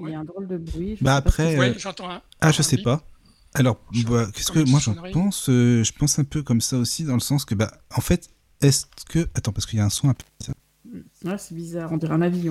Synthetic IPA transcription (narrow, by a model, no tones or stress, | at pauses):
aɛ̃d̪ʁold̪əbʁɥibaːpχɛø̃ | aʒəsɛpa | alɔʁvakʲɛ̥skəmwaʒɑ̃pɑ̃søʒəpɑ̃sɛ̃pøkɔmsaosid̪ɑ̃ləsɑ̃skəbaɑ̃fɛt̪ | ɛskəat̪ɑ̃paʁskəijaɛ̃sɔ̃apza̰ | ɛsɛbizaːʁɔ̃d̪iʁɛ̃navijɔ̃